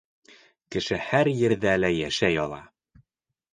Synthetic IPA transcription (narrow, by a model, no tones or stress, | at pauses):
kɘ̆ʃɘhæɾjɘ̆ɾðælæjæʃæjɒlˠɑ̰